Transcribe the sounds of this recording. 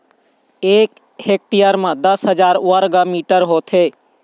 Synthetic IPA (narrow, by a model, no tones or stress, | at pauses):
eːk | hek̚ʈijəɾmãd̪əsɦəd͡ʒaːɾʋəɾɡəmiːʈəɾɦoːt̪ʰe